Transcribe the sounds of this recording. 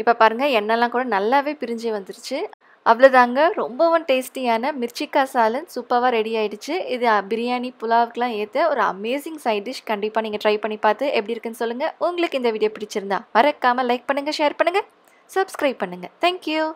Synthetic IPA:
ɪpːoːpaːɾɯŋɡɐɛnːɐlːãːkuːɽɐnɐlːaːʋeːpɪɾɪɲd͡ʒiʋɐnd̪ɯɾɯt͡ʃːɯ | ɐʋɐɭoːt̪aːŋɡɐɾɔmbɐʋʊnʈeːsʈiaːnɐmɪɾt͡ʃːɪkːaːsaːlɯnsupːɐʋaːɾɛɽiaːjɪɽɯt͡ʃːɯɪðɯbɪɾɪjaːnipʊlaːʋɯkːɐlãːeːt̪ːɐɔɾɯɐ̰meːsɪŋsɐɪɖɪʃkɐɳɖɪpːaːniːŋɡɐʈɾɐɪpɐɳːipaːɾt̪ɯʔɛpːɐɽiɪɾɯkːɯnːɯsɔlːɯŋɡɐʊŋɡɐɭɯkːɯɪnd̪ɐʋiːɽɪjoːpɪɽɪt͡ʃːɪɾɯnd̪ã̰ːʋɐɾɐkːaːmɐlɐɪk̚pɐɳːɯŋɡɐʃeːɾpɐɳːɯŋɡɐ | sɐbskɾɐɪb̚pɐɳːɯŋɡɐt̪ʰɛːŋkjuː

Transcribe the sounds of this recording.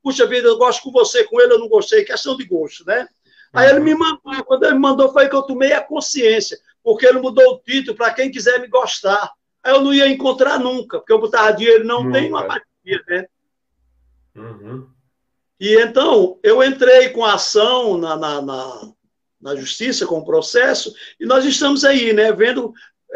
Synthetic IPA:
puʃɐvid̪ɐewɡɔʃt̪ʊ̥kõvosekõelɪewnɐ̃w̃ɡoʃt̪ejkɛʃt̪ɐ̃w̃d̪ɪɡoʃt̪ʊnɛ | aelɪmɪmɐ̃nd̪okwɐ̃d̪ʊelɪmimɐ̃nd̪ofojkewt̪omejɐkõsiẽsjɐ | pohkeelɪmud̪owʊt̪it̪ʊlʊpɾɐkẽj̃kizɛɾmɪɡɔʃt̪aɾ | aewnɐ̃w̃iɐẽkõnt̪ɾaɾnũkɐpoɾkewbot̪aad͡ʒ̪ieelʊnɐ̃w̃t̪ẽj̃ũɐpateɾiɐnɛ | ɪẽnt̪ɐ̃w̃ewẽnt̪ɾejkõaasɐ̃w̃nɐnɐnɐ̰ | nɐʒuʃtisɐkõʊpɾosɛsʊɪnɔzɪʃt̪ɐ̃mʊzainɛvẽnd̪ʊ

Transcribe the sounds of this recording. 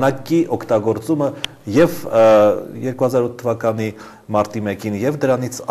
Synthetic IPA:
nɑkiʔɔkʰt̪ɑɡɔɾt͡sumə | jɛv | jɛɾkuhɑzɑɾut̪ʰːəvɑkɑni | mɑɾt̪imɛkinjɛvd̪əɾɑn̪it͡sʰ

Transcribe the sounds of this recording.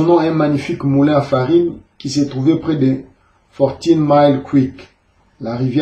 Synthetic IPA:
nɔ̃ɛ̃maɲifikmulɛ̃afaʁinkiset̪χuvepχɛd̪e | fɔʁt̪inmajlkwik | laʁivjɛ

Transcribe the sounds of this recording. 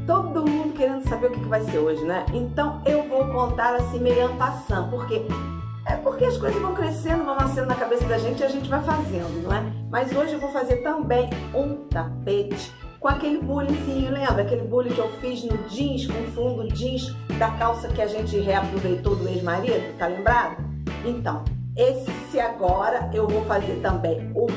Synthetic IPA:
t̪od̪ʊd̪ʊmũnd̪ʊkeɾẽnd̪ʊsabeɾʊkɛkɪvajseɾoʒɪnɛẽnt̪ɐ̃w̃ewvowkõnt̪aɾasĩmejɐ̃pasɐ̃nd̪ʊpoχke | ɛpoɾkeɐskojzɐzvɐ̃w̃kɾesẽnd̪ʊvɐ̃w̃nasẽnd̪ʊnɐkabesɐd̪ɐʒẽnt͡ʃɪaʒẽnt͡ʃɪvajfazẽnd̪ʊnɐ̃w̃ɛmɐzoʒɪewvowfazeɾt̪ɐ̃bẽj̃ũt̪apet͡ʃɪ̥ | kõakelɪbulĩfĩlẽmbɾʊakelɪbulʊkɪewfiznʊd͡ʒĩʃkõfũd̪ʊd͡ʒĩʃd̪ɐkawsɐkɪaʒẽnt͡ʃɪɦeapɾovejt̪owd̪ʊejʒmaɾiɐd̪t̪alẽmbɾad̪ʊ | ẽnt̪ɐ̰̃w̃ | es | ɪaɡɔɾɐewvowfazeɾt̪ɐ̃mbẽj̃ʊ

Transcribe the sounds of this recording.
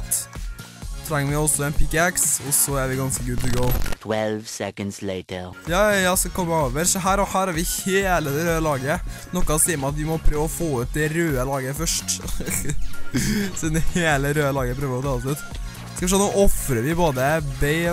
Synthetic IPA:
t̪ | t̪ʰɾɛŋːʋɪɔsɔɛnpʰɪkːæksɔsɔæɾʋɪɡɑnskəɡʉːlt̪ʰɪɡoʊtʰwɛlvsɛkə̃ndsleɪtʰəjɑːjɑːsɔkʰɔmːəoːʋəɾsɔɦæːɾɔhæːɾæɾʋɪheːləd̪ɛɾøːəlɑːɡənɔkːɑssiːəɾmɑɑt̪ʋɪmɔpʰɾøːʋɔfoːʉt̪̚d̪ɛɾøːəlɑːɡəfœʂʈ | sɔɛnheːləɾøːəlɑːɡəpʰɾøːʋəɾɔt̪ʰɑːɔsʉːt̪ | skɑʋɪʂɔːnuːʔɔfɾəɾʋɪboːd̪əbɛɪ

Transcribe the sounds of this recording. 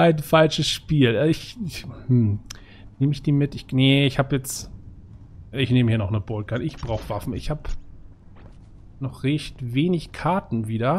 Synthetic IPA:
aɪnfalʃəsʃpiːlʔɛːɪçmm̩ | neːməɪçd̥iːmɪtɪçnəɪçhaːbjɛt͡st | ʔɪçneːməhiːɐnɔχnəbolkʰatɪçb̥ʁaʊxv̥afn̩ɪ̰çhaːp | nɔχʁɛçtveːnɪçkʰaɐtn̩viːdɐ

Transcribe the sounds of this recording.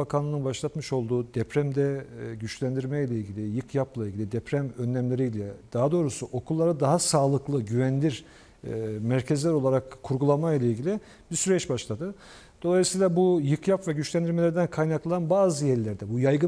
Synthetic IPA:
bakʰanˠɯnɯnbaʃlˠat̪mɯʃo̞lˠd̪uːd̪ɛpɾæmd̪ɛɟyt͡ʃlʲænd̪iɾmɛjlʲɛilʲɟilʲɪjɯkʰjaplˠailʲɟilʲid̪ɛpɾæmønːæmlʲe̞ɾijlʲɛd̪̥aɦad̪o̞ːɾusuʔo̞kʰulˠːaɾad̪aɦasaːlˠɯklˠɯɟyvænlʲiɾ | mæɾcʰezlʲæɾo̞lˠaɾakʰːuɾɡulˠamajlʲˠailʲɟʲilʲi | biɾsyɾɛt͡ʃbaʃlˠad̪ɯ | d̪̥o̞lˠajɯsijlˠabujɯkjapvɛɟyt͡ʃlʲænd̪iɾmelʲeɾd̪ænkʰajnaklˠaanbaːzɯjɛɾlʲæɾd̪ɛbujajɡɯ

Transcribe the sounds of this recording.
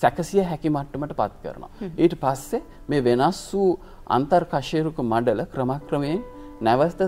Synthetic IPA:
sɛkɐsijaɦɛkimɐʈːɐməʈəpa̰t̪̚kə̰ɾə̰no̰a̰eːʈɐpasːe | meːʋenasːuː | a̰nt̪ɐɾkaʃeːɾukumɐɖɐləkɾɐmaːkɾɐmejennæʋɐst̪ɐ

